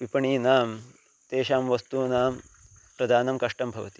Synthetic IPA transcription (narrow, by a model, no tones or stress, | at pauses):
ʋipɐɳiːnaːm | t̪eːʃaːmʋɐst̪uːnaːm | pɾɐd̪ʱaːnɐmkɐʂʈɐmbʱɐʋɐt̪i̥